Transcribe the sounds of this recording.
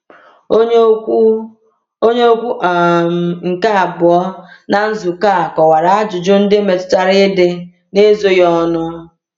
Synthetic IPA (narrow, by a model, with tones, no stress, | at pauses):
o˦ | o˦ɲe˦o˦kʷu˦ʔŋ̩˨ka˦a˨bʊ˨ɔ˦na˨n̩˦zu˨ka˦˨kɔ˨wa˨ɾa˨a˦d͡ʒʊ˨d͡ʒʊ˦n̩˦dɪ˦me˨tʊ̥˦ta˦ɾɪ˦dɪ˦ | ne˦zo˦jɔ˦nʊ˦